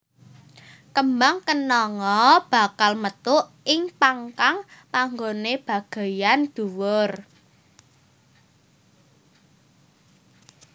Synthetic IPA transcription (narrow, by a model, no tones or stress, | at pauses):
kəmbaŋkənɔŋɔb̥a̤kalmət̪ʊʔ | ɪŋpaŋkaŋpaŋɡoneb̥ä̤ɡ̥a̤jand̪̥ṳwʊr